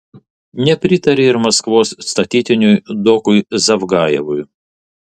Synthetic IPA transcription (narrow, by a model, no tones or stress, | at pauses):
nʲɛpʲɾʲɪt̪ɐɾʲeːɪɾmɐskʋoːsːt̪ɐt̪ʲiːt̪ʲɪnʲʊjd̪ɔkʊjzɐʋɡɑːjɛʋʊj